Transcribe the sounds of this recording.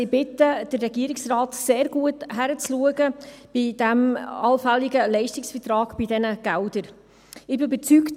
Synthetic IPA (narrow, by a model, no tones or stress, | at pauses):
ɪbɪtəd̥ərːɛɡiəɾɪksraːtseːɾɡ̥uəthæɾət͡sluəɡəb̥id̥æmɑlfæliɡəlɛɪʃtɪksfətɾɑːɡ̥b̥idɛnəɡ̥ældəɾ | ɪbɪbɛt͡sykt